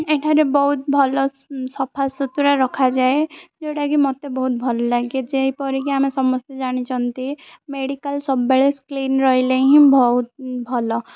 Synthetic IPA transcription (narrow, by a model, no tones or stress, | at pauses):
eʈʰaɾebɔɦut̪̚bʱɔlɔ | sɔpʰasɔt̪uɾaɾɔkʰad͡ʒaed͡ʒeɽaɡimɔt̪ebɔɦut̪̚bʱɔllaɡed͡ʒeɦipɔɾikiamesɔmɔst̪ed͡ʒaɽ̃it͡ʃɔnt̪imeɽikəlsɔbːeɭeskliːnɾɔɦileɦĩbʱɔɦut̪̚bʱɔlɔ